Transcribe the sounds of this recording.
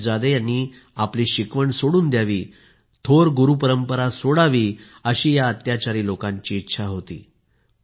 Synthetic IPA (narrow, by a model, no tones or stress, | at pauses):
d͡zad̪ejani | apliːɕikʋəɳsoɽuːnd̪jaʋiː | t̪ʰoɾɡuɾupəɾəmpəɾasoɽaʋiː | əɕiːjaət̪jat͡ɕaɾiːlokãɲt͡ɕiːtːɕʰaɦot̪ḭː